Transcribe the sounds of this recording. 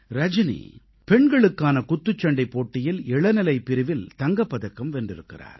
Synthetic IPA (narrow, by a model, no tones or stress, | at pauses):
ɾɐd͡ʒɪnḭ | pɛɳɡɐɭɯkːaːnɐkʊt̪ːɯt͡ʃːɐɳɖɐɪpːoːʈːɪjɪlɛɭɐnɪlɐɪpːɪɾɯʋɪlt̪ɐŋɡɐpːɐðɐkːɐmʋɛndrɪɾɯkːɪ̰ra̰ːɾ